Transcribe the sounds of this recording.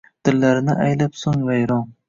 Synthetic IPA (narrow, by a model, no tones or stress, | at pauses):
d̪̥ɪlːaɾɪnɪʔajlapsʊŋvajɾɒŋ